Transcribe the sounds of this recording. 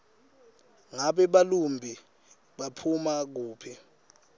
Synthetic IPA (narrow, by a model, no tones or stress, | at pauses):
ŋaɓɛɓalumbʱi | ɓapʰumak̬uːpʰi